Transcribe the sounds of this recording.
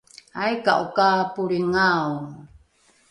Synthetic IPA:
ajka̰ʔukapuɾiŋaw

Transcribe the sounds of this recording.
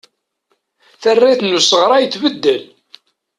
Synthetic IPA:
θərːiθnːusəʁɾˤɑjəθvəd̪ːəl

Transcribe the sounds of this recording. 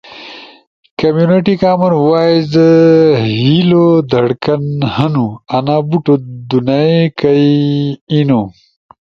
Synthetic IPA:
kɐmjuneʈikaːmɐnwaːjzəhilod̪ɐɽkɐnhɐnuɐnaːbuʈod̪unaekɐjino

